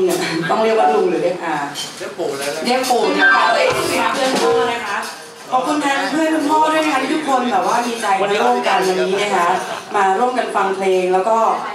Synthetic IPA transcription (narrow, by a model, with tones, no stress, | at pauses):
ŋa˨˩t̪ɔ˥˩ŋɾi˥˩ək̚waː˥˩lu˧ŋlɯː˩˦lɯː˥˩kʔaː˧˩˥ | di˦˥˩ək̚puː˨˩k̚na˦˥kʰa˦˥˧a˧˩kɯː˧nt̪u˧na˦˥kʰa˦˥ʔ | pʰɔː˨˩kʰu˧nka˧˥˧pʰɯ˥˩˨ku˧˩mɔː˥˩d̪u˥˩jna˦˥kʰa˦˥i˥t̪ʰu˦˥kʰːo˧nbɛː˨˩p̚waː˥˩miː˧t͡ɕa˧jɾu˥˩əmka˧nʔa˧nːiː˦˥na˦˥˩kʰa˦˥ʔmaː˧ɾu˥˩əmka˧nfa˧ŋpʰleː˧ŋlɛː˦˥wkɔː˥˩